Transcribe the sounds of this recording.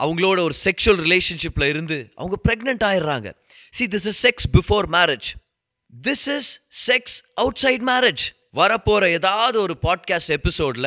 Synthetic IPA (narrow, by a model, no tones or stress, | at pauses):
ʔɐʋɐŋɡɐɭoːɽɐɔɾɯsɛkʂʊɐlɾɪleːʂɐnʂɪpːɪlɐɪɾɯnd̪ɯʔɐ̰ʋɐŋɡɐpɪɾɛɡnɐɳʈaːjɪɾɾa̰ːŋɡɐ̰ | siːd̪ɪsɪssɛksbɪfoːɾmæːɾɪd͡ʒ | d̪ɪsɪzsɛksʔɐʊʈsɐɪɖmæːɾɪd͡ʒ | ʋɐɾɐpːoːɾɐeːðaːʋɐðɯɔɾɯpaːɖ̚kaːsʈɛpɪsoːɖɪlɐ